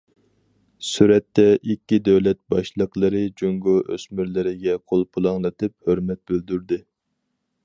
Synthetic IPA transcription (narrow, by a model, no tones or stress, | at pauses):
syɾɛt̪ːɛʔikʲːid̪øwlɛt̪̚bɑʃlˠəqlˠəɾɨd͡ʒoŋɡoʔø̰smyɾlɪɾɪɡʲɛqʰolˠpʰulˠɑŋlˠɨt̪ɨp̚høɾmɛt̪̚bøld̪yɾd̪ɪ